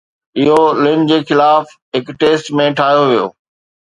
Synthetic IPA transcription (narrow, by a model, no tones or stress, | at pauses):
ɪɦolɪnd͡ʑeːxɪlaːf | ɦɪkʈeːsʈmẽʈʰaːɦijoʋijo̰ː